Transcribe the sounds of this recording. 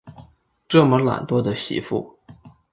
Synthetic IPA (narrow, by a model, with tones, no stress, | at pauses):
ʈ͡ʂɤ˥˩mə˦la̰˨˩nt̪wɔ˥d̪ə˨ɕḭ˧˥fṵ˥˩